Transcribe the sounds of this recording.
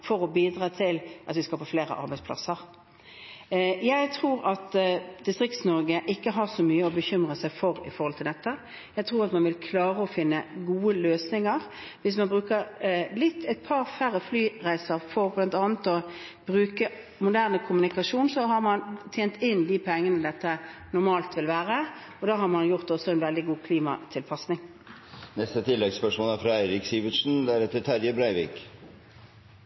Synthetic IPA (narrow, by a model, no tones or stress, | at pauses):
fɔɾɔbiːd̪ʁɑːt̪ʰɪlʔɑt̪ʋɪskɑlpʰɔfleːʁə̰ʔɑ̰ɾbæɪdspʰlɑ̰səʁ | jæɪt̪ʰɾuːɾɑt̪d̪ɪst̪ʁɪkt̪snɔɾɡəʔɪkːəɦɑʁsɔmyːəɔbəçʏmʁəsæɪfɔɾɪ̰fɔɾʁɔlt̪ʰɪld̪ɛt̪ːə | jæɪt̪ʰʁuːɾɑt̪mɑnʋɪlkʰlɑːʁəɔfɪnːəɡuːəløːsnɪŋəʁʋɪs̬mɑnbʁʉːkəɾlɪt̪ʰːæɪt̪̚pʰɑɾfæɾəflyːɾæɪsəʁfɔʁblɑnt̪ɑːnət̪ɔb̥ʁʉːkə | mʊd̪æʁnəkʰʊmʉnɪkɑʂuːnsɔɦɑʁmɑnt̪ʰjeːnt̪ʰɪnd̪iːpʰɛŋːənəd̪ɛt̪ːənʊʁmɑːlt̪ʋɪlʋæːʁə | ɔd̪ɑːɦɑɾmɑnjʊʁt̪ɔsɔɛnʋɛld̪ɪɡuːkʰliːmɑ̰t̪ʰɪlpʰɑsnɪŋ | nɛst̪ət̪ʰɪlːɛɡspœʂmoːlæɾfɾɑæɪɾɪksiːʋəʂn̩d̪ææɾɛt̪ːət̪ʰæɾjəbɾæɪʋiːk